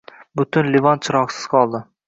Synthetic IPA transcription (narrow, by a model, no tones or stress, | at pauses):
bʊt̪ʊnlɪvɒnt͡ʃʰɪɾɒqsɪ̥z̥qʰɒlˠd̪ɪ